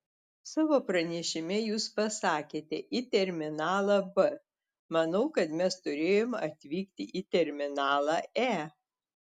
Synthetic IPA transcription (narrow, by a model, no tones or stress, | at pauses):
sɑːʋoːpɾɐnʲɛʃʲɪmʲɛjuːspɐsɑːkʲeːt̪ʲɛʔit̪ʲɛɾʲmʲɪnɑːlˠɑbɨ | mɐnɐʊkɐt̪mʲɛst̪ʊɾʲeːjoːmɐt̪ʲʋʲiːkt̪ʲɪʔit̪ʲɛɾʲmʲɪnɑːlˠɑæː